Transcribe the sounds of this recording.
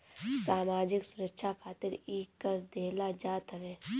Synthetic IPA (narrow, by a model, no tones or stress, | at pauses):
saːmaːd͡ʒɪksʊɾəkʃʰakʰaːt̪ɪɾiːkːəɾd̪eːlad͡ʒaːt̪əʋeː